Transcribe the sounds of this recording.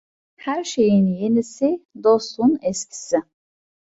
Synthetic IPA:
hæɾʃe̞jinjenisid̪ost̪unɛscʲʰi̥sɪ

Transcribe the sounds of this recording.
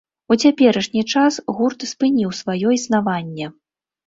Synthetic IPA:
ut͡sʲapʲɛɾɐʂnʲit͡ʂasɣurt̪spɨnʲiwsvajɔisnavanʲːɛ

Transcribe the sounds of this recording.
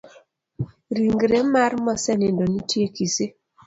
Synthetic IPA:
ɾiŋɡɾemarmɔsɛnɪndɔnitjekisɪ

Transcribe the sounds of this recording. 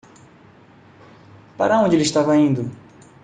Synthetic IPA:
pa̰ɾɐõnd͡ʒɪelɪʃt̪avɐĩnd̪ʊ

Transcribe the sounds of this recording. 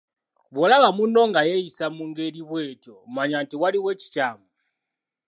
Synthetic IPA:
βɔlaɣamundɔŋɡajɛisamuŋɡeliβwɛtjomaɲantiwaliwet͡ʃi̥t͡ʃaːmu

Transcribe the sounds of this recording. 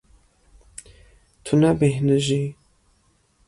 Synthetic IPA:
t̪ʰunabehnɨʒi

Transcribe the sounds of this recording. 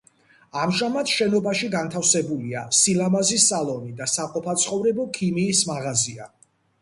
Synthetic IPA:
amʒamat̪ʃɛnɔbaʃiɡant̪ʰafsɛbuliasilamazisalˠɔnid̪asaqʼɔpʰat̪sʰχɔvɾɛbɔkʰimiːsmaʁazia̰

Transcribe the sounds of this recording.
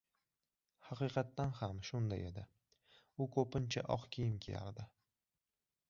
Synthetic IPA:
hɑqɨjqʰɑt̪ːanhamʃʊnd̪a̰je̞d̪ɪ | ʊkʰopɪnt͡ʃʰa̰ʔɒqkʲʰijɪmkʲʰeja̰ɾd̪ɪ

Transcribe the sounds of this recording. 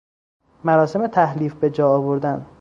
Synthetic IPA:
mæɾɒːse̞me̞t̪ʰæhliːfbe̞d͡ʒɒːɒːβoɾd̪æn

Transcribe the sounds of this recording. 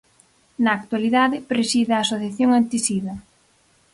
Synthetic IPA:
nɐːk̚t̪waliðaðɪpɾesiðeaːsoθjaθjoŋant̪isiðɐ

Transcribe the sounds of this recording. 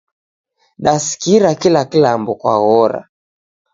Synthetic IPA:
ɗasi̥kiɾakilakilambɔkwa̰ɣɔɾa̰

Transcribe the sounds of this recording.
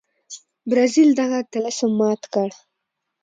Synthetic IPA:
bɾɑzild̪aɣat̪alasəmɑt̪kəɽ

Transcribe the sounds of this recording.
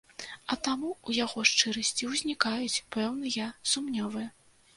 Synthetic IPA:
ɐt̪amuujaɣɔʂt͡ʂɨɾɐsʲt͡sʲiwzʲnʲikajut͡sʲpɛwnɨjɐsumnʲɔvɨjɛ

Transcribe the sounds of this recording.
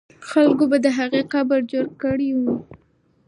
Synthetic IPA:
xalkobad̪əɦaɣeqabəɾd͡ʒoɾkəɽiwu

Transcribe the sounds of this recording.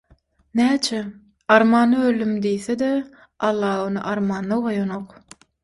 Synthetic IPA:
næːt͡ʃʰe | ɑɾmɑːnɯølːymd̪ijθed̪e | ɑlˠːɑːonɯ̰ʔɑɾmɑːnːɯʁojonoq

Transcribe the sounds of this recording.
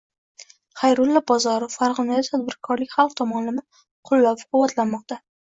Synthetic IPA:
χajɾʊlːabɒzɒɾʊfːaɾʁɨnajɒt̪ʰad̪̚bɪɾkʰɒɾlɪkʲχɑlˠq̚t̪ʰɒmɒnlɪmɪ | qʰʊlːapqʰʊwɒt̪lanmɒq̚t̪a

